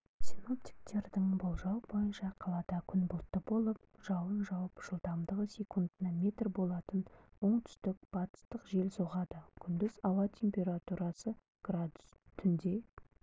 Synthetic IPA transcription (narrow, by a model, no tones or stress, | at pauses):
sʲino̞p̚t̪ʲi̥k̚t̪e̞ɾd̪ɪŋbolˠʒɑwbo̞jənʃɑqʰɑlˠɑd̪ɑkʲʰʏnbʊlˠt̪ːəbo̞lˠəp̚ʒ̥ɑwənʒɑwəpʒ̥əlˠd̪ɑmd̪əʁəsʲekund̪nɑmʲe̞t̪rbo̞lˠɑt̪ənwo̞ɴt̪ʰʏ̥st̪ɪk̚b̥ɑt̪ə̥st̪əqʒe̞lsoʁɑd̪əkʲʰʏnd̪ɪzɑwɑt̪ʲʰe̞mpʲe̞ɾat̪uɾɑsə | ɡ̥rad̪ʊst̪ʰʏnd̪e̞